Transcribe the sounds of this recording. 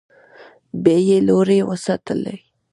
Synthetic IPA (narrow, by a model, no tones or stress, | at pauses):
bejeloɾewəsat̪əlḛ